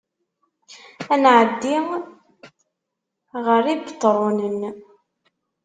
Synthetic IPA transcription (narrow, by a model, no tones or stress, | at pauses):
ænʕəd̪ːi | ʁəɾibət̪ˤːɾˤonən